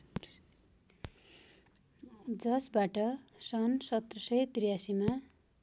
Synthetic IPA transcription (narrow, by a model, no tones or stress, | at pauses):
d͡zʌsbaʈʌsʌnsʌt̪rʌsʌjt̪rijasima